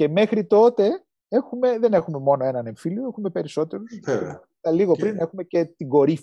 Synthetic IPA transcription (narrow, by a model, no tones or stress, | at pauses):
ce̞me̞xɾit̪o̞t̪e̞ | exume̞ðe̞ne̞xume̞mo̞no̞e̞nɐne̞ɱfilioexume̞pe̞ɾiso̞t̪e̞ɾus | ɐliɣo̞pɾine̞xume̞ce̞t̪iɡo̞ɾif